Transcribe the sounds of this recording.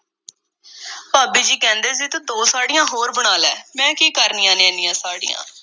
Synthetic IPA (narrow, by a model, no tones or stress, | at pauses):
paːbiːd͡ʒiːkɛ̃ːnd̪eːziːt̪ãːd̪oːsaːɖijãːɦoːɾbəɽ̃aːlɛ̰ːmɛ̃ːkiːkəɾniːãːnẽːniːãːsaːɖḭjã̰ː